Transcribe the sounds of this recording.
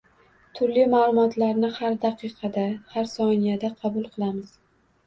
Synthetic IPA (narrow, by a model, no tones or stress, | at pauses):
t̪ʰʊɾlimaːlˠʊmɒt̪ʰlaɾnɪhaɾd̪ɑqʰɨqʰɑd̪ahaɾsɒnijad̪aqʰɑbʊlˠqʰɨlˠamɪz̥